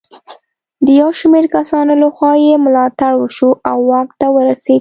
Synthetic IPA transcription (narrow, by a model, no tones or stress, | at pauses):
d̪əjawʃmeɾkasɑnolaxwɑjemʊlɑt̪aɽwəʃuʔawːɑk̚t̪awəɾased̪